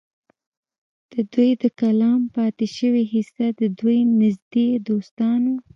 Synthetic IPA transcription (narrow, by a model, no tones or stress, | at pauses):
d̪̥əd̪ujd̪əkalɑmpɑt̪ɪʃəwiɦisad̪əd̪ujnɪzd̪ed̪ost̪ɑno